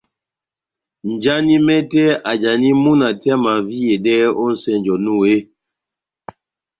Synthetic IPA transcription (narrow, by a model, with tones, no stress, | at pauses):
n˨d͡ʒa˦ni˦mɛ˦tɛ˦a˨d͡ʒa˨ni˦mu˦na˨ta˦ma˨vi˦je˨dɛ˦o˦n̩˨˦sɛ˦˨n˨d͡ʒɔ˨nu˦˨e˦